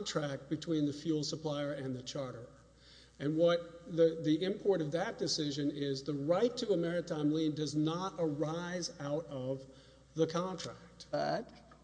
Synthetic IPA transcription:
ntʰɹ̥æk̚t̚b̥ɨtʰw̥ĩnðɨfjulˠsəpʰl̥aɪə˞ʔɨ̃nðɨt͡ʃʰɑɹɾə˞ | ɨ̃nwʌt̪̚ðɨðiʔɪ̃mpʰɔɹɾʌvðɨt̚d̥ɨsɪʒɨ̃nɪzðəɹaɪtʰɨːmɛɹɨtʰãɪ̃mlĩndʌznəɾə˞aɪzaʊɾʌv | ðəkʰɑ̃ntʰɹ̥æk̚tæt

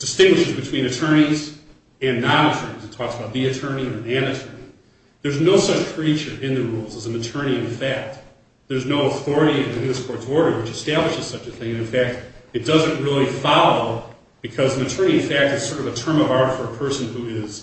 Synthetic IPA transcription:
d̥ɨstɪ̃ŋɡwɨʃɨzbɨtʰw̥ĩñɨtʰɜ̃˞ñiz | ɨ̃nːɑ̃nɨtʰɜ̃˞nizɨtʰɔksəbaʊt̪̚ðiɨtʰɜ̃˞niə˞ɨ̃nɨtʰɜ̃˞ni | ðə˞znoʊsʌt͡ʃkʰɹ̥it͡ʃə˞ʔɪ̃nðɨɹulˠzəzn̩ɨtʰɜ˞ñiɨ̃nfæk̚t̚ | ðə˞znoʊəθɔɹɨɾiɨ̃nðɨhɪ̃spʰɔɹtsɔɹɾə˞wɨt͡ʃɨstæblɨʃɨz̥sʌt͡ʃɨθɪ̃ŋɨ̃nɨ̃nfæk̚t̚ɨt̚d̥ʌzɨ̃nʔɹɪlˠifɑlˠoʊ | b̥ɨkʰʌz̃n̩ɨtʰɜ̃˞niɨ̃nfæk̚tɨz̥sɔɹɾʌvɨtʰɜ̃˞mʌvɑɹɾfə˞ɨpʰɜ˞sɨ̃n̩huɪz̥

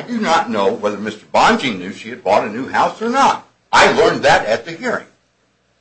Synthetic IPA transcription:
dɨnətⁿnoʊwɛðə˞mɪstə˞bɑ̃nd͡ʒɪ̃ŋnʉ̥ʃiɨd̚bɔɾɨnʉhaʊsə˞nət̚ | aɪlɜ̃˞nðɨɾɨt̪̚ðɨhiɹɪ̰̃ŋ

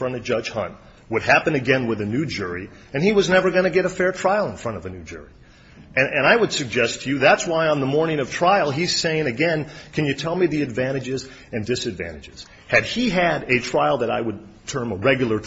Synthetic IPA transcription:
fɹʌ̃ñʌvd͡ʒʌʒ̥hʌ̰̃n̚ | wəd̚hæpɨ̃nɨɡɛ̃nwɨðɨnʉd͡ʒʊɹi | ɨ̃niwʌznɛvə˞ɡʌnɨɡɛɾɨfɛɹtʰɹ̥aɪl̩ˠə̃nfɹʌ̃ɾ̃ʌvɨnʉd͡ʒʊ̰ɹi | ʔɨ̃ɨ̃ñaɪwəd̥sɨɡ̚d͡ʒɛst͡ʃɨðætswaɪə̃nðəmɔɹnɪ̃ŋʌv̥tʰɹ̥aɪl̩ˠiz̥seɪɪ̃ŋɨɡɛ̃nkʰɨ̃njɨtʰɛlˠmiðiɨdvæ̃ɾ̃ɨd͡ʒɪz | ɨ̃ndɪsɨdvæ̰̃ɾ̃ɨd͡ʒɨz̥ | hɨd̚iɨɾɨtʰɹ̥aɪl̩ˠðɨɾa̰ɪwəd̚ | tʰɜ̃˞məɹɛɡjl̩ˠə˞

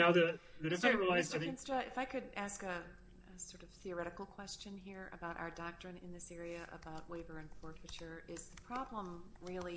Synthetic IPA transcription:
naʊðɨðɨɾɨfɛ̃ɹilˠaɪz̃nstʌɨfaɪkʰɨɾæskɨ | ɨsɔɹɾʌv̥θiə˞ɛɾɨkl̩ˠkʰw̥ɛst͡ʃɨ̃nɦiɹɨ̰baʊɾʔa̰ʊə˞dɑk̚tɹ̥ɨ̃nɨ̃nðɪsɛɹiɨʔə̰baʊʔ̚wʔeɪvə˞ɨ̃nfɔɹtfɨt͡ʃə˞ɪzðɨpʰɹ̥ɑblə̃mɹɪlˠi

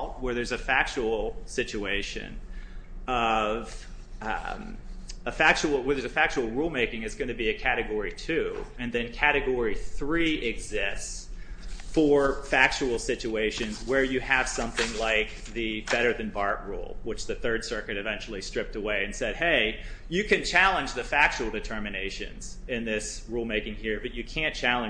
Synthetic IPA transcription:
t̚wə˞ðə˞zɨfæk̚t͡ʃul̩ˠsɪt͡ʃʉeɪʃɨ̰̃n | ʌv | əfæk̚t͡ʃul̩ˠwə˞ðə˞zɨfæk̚t͡ʃul̩ˠɹulˠmeɪkɪ̃ŋɨzɡʌñɨbiɨkʰæɾɨɡɔɹitʰʉɨ̃nðɨ̃nkʰæɾɨɡɔɹiθɹiɪɡzɪsts | fɔɹfæk̚t͡ʃul̩ˠsɪt͡ʃʉeɪʃɨ̃nzwə˞jɨɨv̥sʌ̃mθɪ̃ŋlaɪk̚ | ðɨb̥ɛɾə˞ðɨ̃nbɑɹʔ̚ɹṵlˠwɨt͡ʃðɨθɜ˞d̥sɜ˞kɨɾɨvɛ̃nt͡ʃl̩ˠistɹ̥ɪp̚təweɪɨ̃nsɛd̚heɪjɨkɨ̃nt͡ʃʰælˠə̃nd͡ʒðɨfæk̚t͡ʃul̩ˠdɨtʰɜ˞mɨneɪʃɨ̰̃nz̥ɪ̃nðɪs | ɹulˠmeɪkɪ̃ŋhiɹbʌt͡ʃɨkʰæ̃nt͡ʃʰælˠə̃

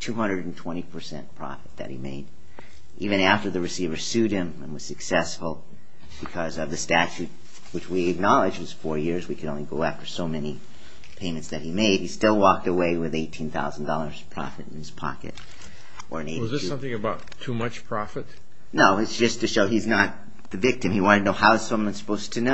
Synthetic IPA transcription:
tʰʉhʌ̃ndɹɨɾn̩tʰw̥ɛ̃ɾ̃ipʰə˞sɛ̰̃npʰɹ̥ɑ̰fɨt̪̚ðɨ̰t̚hḭmḛɪɾ | ʔivɨ̃ñæftə˞ðɨɹɨsivə˞sʉɾ̚ɨ̃mɨ̃nwʌz̥sɨksɛsfl̩ˠ | b̥ɨkʰʌzʌvðɨstæt͡ʃʉt̚ | wɨt͡ʃwiɨk̚nɑlˠɨd͡ʒ̚wʌz̥fɔɹjɪɹzwikʰɨɾõʊ̃nliɡoʊæftə˞soʊmɛni | pʰẽɪ̃mɨ̃ntsðɨt̚himeɪd̚histɪlˠwɔk̚təweɪwɨðeɪtʰĩnθa̰ʊzn̩dɔlˠə˞z̥pʰɹ̥ɑ̰fɨɾɨ̃n̩ɨz̥pʰɑ̰kɨ̰ɾ | ʔə˞ɨ̃neɪwʌʌzðəsʌ̃mθɪ̃ŋɨbaʊtʰumʌt͡ʃpʰɹ̥ɑfɨt̚ | noʊɨtsd̥ʒ̥ʌstʰɨʃoʊiznət̪̚ | ðɨvɪk̚tɨ̃miwɑ̃nɨdnoʊhaʊɨz̥sʌ̃mwʌ̃nsə̥pʰoʊstʰɨno

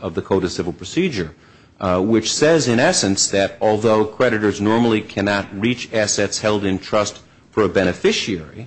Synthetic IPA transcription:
ʌvðɨkʰoʊɾɨ̥sɪvl̩ˠpʰɹ̥ɨsid͡ʒə˞ | wɪt͡ʃsɛzɨ̃ñɛsɨ̃nsðɨɾɔlˠðoʊkʰɹ̥ɛɾɨɾə˞znɔɹml̩ˠikʰænɑt̚ɹit͡ʃæsɛtshɛlˠdɨ̃ntʰɹ̥ʌst | fə˞ɨbɛñɨfɪʃiɛɹi

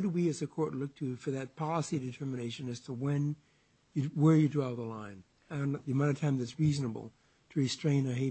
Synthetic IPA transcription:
ɾəwiɨzɨkʰɔɹtˡlʊk̚tʰɨfə˞ðɨt̚pʰɑlˠəsidɨtʰɜ˞mɨñeɪʃɨ̃nɨz̥tʰəwɨ̃n | jɨwə˞jɨdɹaɪvˠðəlãɪ̃n | ɨ̃nɨmʌ̃ɾɨtʰãmðɨtsɹiznəb̰l̩ˠ | tʰɨɹistɹ̥ẽɪ̃nə˞ɦeɪ

